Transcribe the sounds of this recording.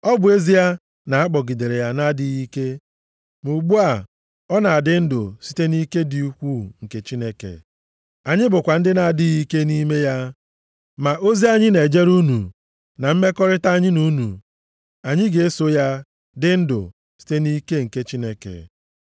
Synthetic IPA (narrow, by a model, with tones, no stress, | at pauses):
ɔ˦bʊ˨e˦zi˦ja˦ | na˨a˦k͡pɔ˨ɡi˨de˨ɾe˨ja˦na˦dɪ˦ɣi˦ke˦ | mu˨ɡ͡bu˦a˨ | ɔ˦na˨a˨dɪ˦n̩˦dʊ̰˨si̥˦te˦ni˦ke˦di˨u˦kʷu˦ŋ̩˨ke˨t͡ʃi˦ne˦kḛ˨ | a˨ɲɪ˦bʊ˨kʷa˨n̩˦dɪ˦na˨dɪ˦ɣi˦ke˦ni˦me˦ja˦ | ma˨ʔo˦zi˦a˦ɲɪ˦ne˨d͡ʒe˦ɾu˦nṵ˨ | na˨m̩˦me˦kɔ˦ɾɪ˦ta˦a˦ɲɪ˦nu˦nṵ˨ | a˨ɲɪ˦ɡe˨e˦so˦ja˦ | dɪ˦n̩˦dʊ̰˨ | si̥˦te˦ni˦ke˦ŋ̩˨ke˦t͡ʃi˦ne˦kḛ˨